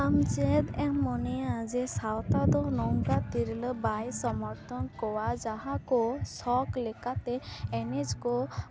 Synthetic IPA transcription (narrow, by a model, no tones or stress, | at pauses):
amd͡ʒed̪ɛmːɔnead͡ʒesawt̪ad̪ɔnɔŋɡat̪iɾilɔbajsɔmɔɾt̪ʰɔnkɔwad͡ʒaɦakɔsɔklekat̪eɛned͡ʒkɔ